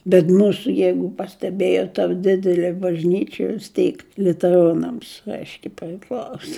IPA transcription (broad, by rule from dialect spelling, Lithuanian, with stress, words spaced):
bʲɛt ˈmuːsʊ ˈjɛɪɡʊ pɐsʲtʲɛˈbʲeːjoːt tɐ ˈdʲɪdʲɛlʲeː bɐʒʲˈnʲiːt͡ʃʲɛ ʋʲɪs ˈtʲiːk lʲʊtʲɛˈroːnɐms ˈɐɪʃʲkʲɛɪ pʲrʲɪˈklˠɐʊsoː